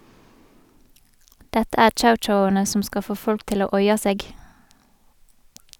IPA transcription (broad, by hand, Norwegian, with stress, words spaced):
ˈdɛtə ˈæːʁ ˈt͡ʃaʊˌt͡ʃaʊɑnə ˈsɔm ˈskɑl ˈfoː ˈfɔlk ˈtɪl ˈoː ˈɔʏɑ ˈseːɡ